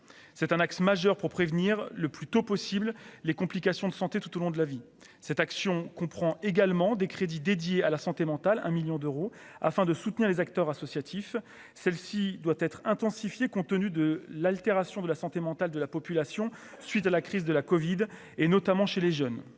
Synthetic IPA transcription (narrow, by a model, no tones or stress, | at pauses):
sɛt̪ɛ̃naksmaʒœʁpuʁpχevniʁləplyt̪opɔsibllekɔ̃plikasjɔ̃d̪əsɑ̃t̪et̪ut̪olɔ̃d̪əlavi | sɛt̪aksjɔ̃kɔ̃pχɑ̃eɡalmɑ̃d̪ekχed̪id̪ed̪jealasɑ̃t̪emɑ̃t̪alɛ̰̃miljɔ̃d̪øʁo | a̰fɛ̃d̪əsut̪niʁlezak̚t̪œʁasɔsjat̪ʰif | sɛlsid̪wat̪ɛt̪χɛ̃t̪ɑ̃sifjekɔ̃t̪ənyd̪əlalt̪eʁasjɔ̃d̪əlasɑ̃t̪emɑ̃t̪ald̪əlapɔpylasjɔ̃ | sɥit̪alakχizd̪əlakɔvid̪ | enɔt̪amɑ̃ʃeleʒœn